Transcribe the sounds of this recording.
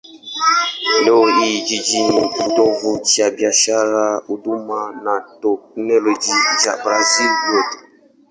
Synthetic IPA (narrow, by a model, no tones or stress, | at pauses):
loid͡ʒid͡ʒimukudɔvut͡ʃiabiaʃaɾaudumanatɔk̚nolod͡ʒid͡ʒa̰bɾazilbjotu